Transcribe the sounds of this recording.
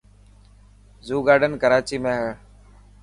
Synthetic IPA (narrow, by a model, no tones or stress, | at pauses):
zuːɡaːɖənkəɾaːt͡ʃiːmẽːɦə